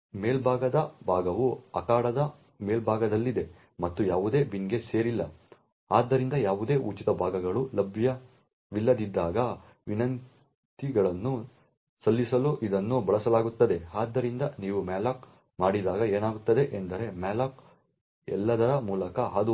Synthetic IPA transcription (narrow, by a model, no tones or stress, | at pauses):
me̞ːlbʱaːɡɐd̪ɐbʱaːɡɐʋuɐkaːɽɐd̪ɐ | me̞ːlbʱaːɡɐd̪ɐlːid̪e̞ | mɐt̪ːujaːʋud̪e̞ːbiŋɡe̞se̞ːɾilːɐ | aːd̪ːɐɾind̪ɐjaːʋud̪e̞ːʔut͡ʃit̪ɐbʱaːɡɐɡɐɭulɐbʱjɐ | ʋilːɐd̪id̪ːaːɡɐ | ʋinɐn | t̪iɡɐɭɐnːu | sɐlːisɐluʔid̪ɐnːubɐɭɐsɐlaːɡut̪ːɐd̪e̞aːd̪ːɐɾind̪ɐniːʋumaːlaːk | maːɽid̪aːɡɐe̞ːnaːɡut̪ːɐd̪e̞ʔend̪ɐɾe̞maːlaːk | ɛ̰lːɐd̪ɐɾɐmuːlɐkɐɦaːd̪u